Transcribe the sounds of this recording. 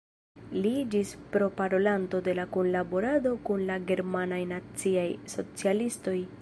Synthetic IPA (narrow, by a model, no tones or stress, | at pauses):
lid͡ʒispɾo̞paɾo̞lanto̞de̞lakonlabo̞ɾado̞kunlaɡe̞ɾmanajnat͡siajso̞t͡sialisto̞j